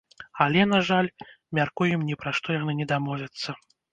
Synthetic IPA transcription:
alʲɛnaʐalʲ | mʲarkujumnʲɛpɾaʂt̪ɔjanɨnʲɛd̪amɔvʲɐt̪sːɐ

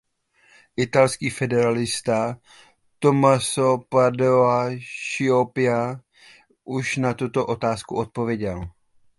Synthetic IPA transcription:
ʔɪt̪alskiːfɛdɛɾalɪst̪a | t̪o̞masopadoaʃɪopɪa | ʔuʃnat̪ut̪o̞ʔo̞t̪aːskuʔo̞t̪̚po̞vjɛɟɛl

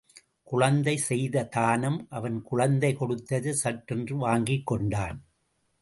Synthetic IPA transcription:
kʊɻɐnd̪ɐɪsɛjðɐt̪aːnɐmʔɐʋɐnkʊɻɐnd̪ɐɪkɔɽɯt̪ːɐðɯsɐʈːɛndrɯʋaːŋɡɪkːɔɳɖaːn

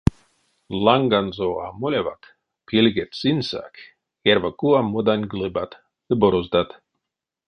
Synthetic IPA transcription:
lˠaŋɡanzoa̰mulʲeva̰t̪ | pilʲɡʲet̪sinsa̰kʲ | eɾvakuamud̪anʲɡlˠɨbat̪ | d̪ɨbɔɾɔzd̪at̪

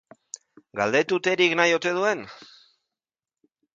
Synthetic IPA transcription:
ɡald̪e̞t̪ut̪e̞ɾiknajo̞t̪e̞ð̞ue̞n

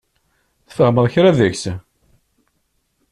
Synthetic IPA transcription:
θfəhməðˤçɾæðəçs

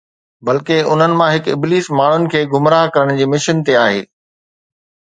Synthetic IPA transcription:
bɐlkeʊn̤ənɪ̆mãɦɪkɪbliːsmaːɳ̤ʊnɪ̆kʰeːɡʱʊmɾaːɦkɐɾəɽ̃d͡ʑiːmɪʃənt̪eaːɦḛː

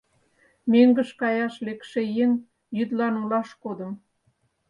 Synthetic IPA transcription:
meŋɡəʃkɑjɑʃlekʃejeŋ | jyd̪lɑnulɑʃkod̪ə̆m

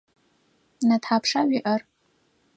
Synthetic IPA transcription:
natʰħapʰʂaɥiʔɐr

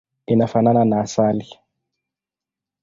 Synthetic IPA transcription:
inafanananaːsali

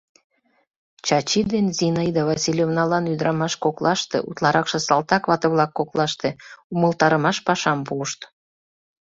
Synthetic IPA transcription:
t͡ɕɑt͡ɕid̪enzinəjd̪ɑβɑsʲilʲjovnɑlɑnyd̪əɾɑmɑʃkoklɑʃt̪ḛʔṵt̪lɑɾɑkʃɤ̆sɑlt̪ɑkβɑt̪ə̆βlɑkːoklɑʃt̪e̽uməlˠt̪ɑɾəmɑʃpɑʃɑmpuːʃt̪

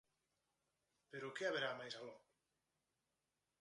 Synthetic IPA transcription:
peɾokeaβeɾamajsalɔ

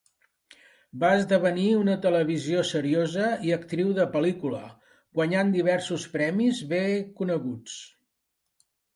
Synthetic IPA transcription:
baəzðəβ̞əniunət̪ələβ̞iziosəɾiozəiəkt̪ɾiwðəpəlikulə̰ | ɡwəɲand̪iβ̞ɛɾsuspɾɛmizβekunəɣut͡s

